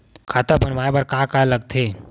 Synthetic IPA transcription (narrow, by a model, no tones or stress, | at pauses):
kʰat̪apənmajbəɾkakaləɡ̚t̪ʰe